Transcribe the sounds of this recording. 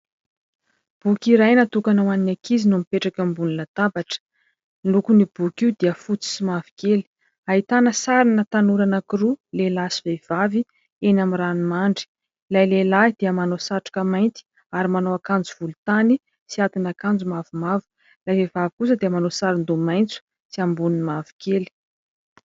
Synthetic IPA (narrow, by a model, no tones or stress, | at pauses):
b̥ukiɾajnat̪ukanawaninakʰizinuamipeʈ͡ʂakəmbununət̪abaʈ͡ʂə̥ | lukunib̥ukʲiud̪iəfut͡si̥simavi̥keli̥ | aɦit̪anəsaɾinət̪anuɾanakiɾulelasivev̥avi | enamiranumaɳɖ͡ʐi̥ | lajlelad̪̥iəmanosaʈ͡ʂu̥kəmajnt̪i̥ | aɾimanoakand͡zuv̥ulut̪ani | siat̪inakand͡zumavumavu̥ | lajvevavikus̬əd̪eəmanosaɾind̪umajnt͡su̥ | siambuninimavi̥keli̥